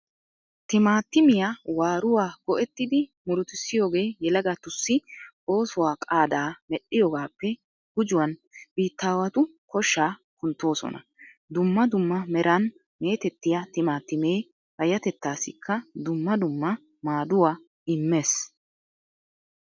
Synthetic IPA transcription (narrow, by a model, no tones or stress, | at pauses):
t̪ɪmaːt̪ːɪmɪjawaːɾʊwaːɡ̥ɔʔɛt̪ːɪd̪ɪmʊɾʊt̪ɪsːɪjo̞ːɡe̞ːjɛlɐɡat̪ʊsːɪʔo̞ːsʊwaːkʼaːd̪aːmɛɗːɪjɔːɡaːpːɛ | ɡ̥ʊd͡ʒʊwɐnb̥iːt̪ːaːwɐt̪ʊkɔʃːaː | kʊnt̪ːo̞ːsɔ̰nɐ̰ | d̪ʊmːɐd̪ʊmːɐmɛɾɐn | me̞ːt̪ɛt̪ːɪjɐt̪ɪmaːt̪ːɪme̞ː | hɐjɐt̪ɛt̪ːaːsɪkʰːɐd̪ʊmːɐd̪ʊmːɐ | maːd̪ʊwaː | ɪmːe̞ːs